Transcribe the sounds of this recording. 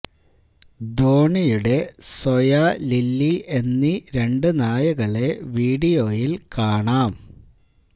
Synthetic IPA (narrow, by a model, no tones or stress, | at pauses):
d̪o̞ːɳɐjuɽe̞sojalilːiʔe̞nːiɾe̞ɳɖɨnaːjɐɣɐɭe̞ʋiːɽijo̞ːjilkaːɳaːm